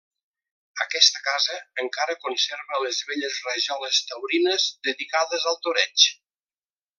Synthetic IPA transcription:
əkɛst̪əkazəəŋkaɾəkunseɾβələzβeʎəzrəʒɔləst̪əwɾinəzd̪əðikaðəzəlˠt̪uɾɛt͡ʃ

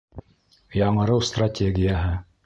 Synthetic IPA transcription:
jɑɴɤ̆ɾɤwst̪ratʲeɡʲijaɦɘ

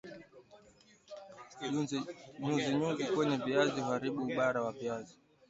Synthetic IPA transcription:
ɲuziɲuzikwɛɲɛviaziɦaɾiɓuːɓaɾawaviazi

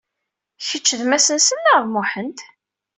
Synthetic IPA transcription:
çət͡ʃːəðmæsənsənːaʁðmʊħənt̪

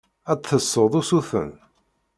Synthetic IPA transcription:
æt̪θəsˤːəðˤusuθə̰n

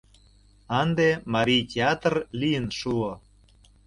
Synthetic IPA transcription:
ɑnd̪emɑɾʲijtʲeɑt̪rlijənʃuo

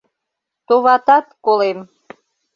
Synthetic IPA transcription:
t̪oβɑt̪ɑt̪kolem

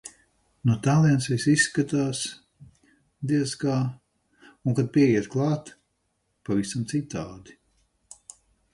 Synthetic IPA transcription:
nut̪aːlˠiɛnsʋisisːkat̪aːs | d̪iɛskaː | uŋkad̪̚piɛjiɛt̪klˠɑːt̪ | pavisamt̪sit̪aːd̪i

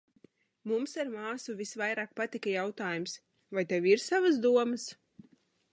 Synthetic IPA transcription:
mumsaɾmaːsuvʲisvajɾaːk̚pat̪ikajawt̪aːjums | vajt̪ɛwiɾsavasd̪uɔmas

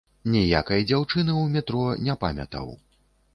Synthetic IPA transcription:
nʲɛja̰kɐjd͡zʲawt͡ʂɨnɨwmʲɛt̪ɾɔnʲɛpa̰mʲɐ̰t̪ɐ̰w

